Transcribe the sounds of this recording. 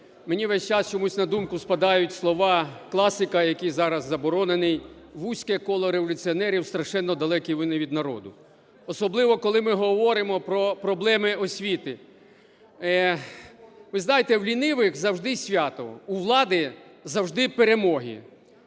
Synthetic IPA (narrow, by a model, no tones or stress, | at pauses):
menʲiʋɛsʲt͡ʃɑst͡ʃɔmusʲnɐd̪umkʊspɐd̪ɑjʊtʲslˠɔʋɑklˠɑsɪkɐjɐkijzɑɾɐzːɐbɔɾɔnenɪj | ʋusʲkɛkɔlˠɔɾeʋɔlʲʊt͡sʲiɔnɛɾʲiwst̪ɾɐʃɛnːɔd̪ɐlˠɛkʲiʋɪnɪʋʲid̪nɐɾɔ̰d̪ʊ̰ | ɔsɔblˠɪʋɔkɔlˠɪmɪɦɔʋɔɾɪmɔpɾɔpɾɔblˠɛmɪɔsʲʋʲit̪ɪ | ɛ | ʋɪznɑjet̪ɛwlʲinɪʋɪxzɐwʒd̪ɪsʲʋʲat̪ɔ̰uʋlˠɑd̪ɪzɐwʒd̪ɪpeɾemɔɦḭ